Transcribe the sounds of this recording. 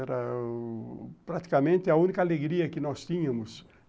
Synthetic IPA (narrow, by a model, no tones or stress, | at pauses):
ɛɾɐ | pɾat̪i̥kɐmẽnt̪ɪɐũnikɐaleɡɾiɐkɪnɔst̪ĩɲɐ̃mʊs